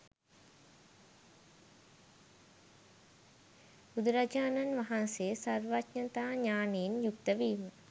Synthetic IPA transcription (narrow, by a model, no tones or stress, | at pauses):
ud̪ɾɐd͡ʒaːnɐnʋɐɦɐnseːsɐɾʋatɲɐt̪aːɲaːnijːnjukt̪əʋiːmə